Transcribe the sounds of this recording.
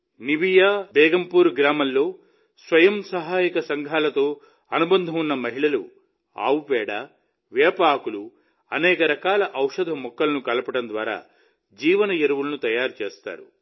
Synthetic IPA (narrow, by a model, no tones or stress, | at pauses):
nibijaːbɛːɡɐmpuːɾɡɾaːmɐllːo̞ː | sʋɐjɐmsɐɦaːjɐkɐsɐŋɡʱaːlɐt̪o̞ː | ɐnubɐnd̪ʱɐmunːɐmɐɦiɭɐlṵ | a̰ːwupɛːɽa | ʋɛːpaːkulu | ɐnɛːkɐɾɐkaːlɐʔɐwʂɐd̪ʱɐmɔkːɐlɐnukɐlɐpɐʈɐnd̪ʋa̰ːɾa̰ː | d͡ʒiːʋɐnɐjeɾuʋulɐnut̪ɐjaːɾut͡ʃeːst̪a̰ːɾṵ